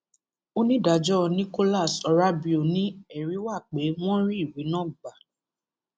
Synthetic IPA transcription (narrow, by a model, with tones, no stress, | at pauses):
o˦nĩ˦da˨d͡ʒɔ˦nĩ˦ko˦la˦˨sɔ˧ɾa˦bi˦o˨nĩ˦ɛ˦˨ɾi˨˦wa˦˨k͡pe˨˦w̃ɔ̃˦ɾĩ˦i˦˨wi˨˦nã˦˨ɡ͡ba˨